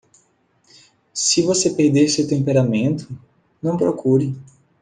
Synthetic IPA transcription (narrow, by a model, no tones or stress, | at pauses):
sɪvosepeɾd̪eɾsewt̪ẽmpeɾamẽnt̪ʰʊ | nɐ̃w̃pɾokʰuɾɪ